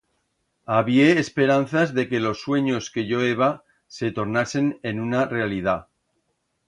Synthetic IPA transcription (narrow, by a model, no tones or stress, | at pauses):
aβjeːspe̞ɾan̟θazðe̞ke̞lo̞sːwe̞ɲo̞ske̞ʝo̞eβa | set̪o̞ɾnase̞ne̞nunare̞alið̞a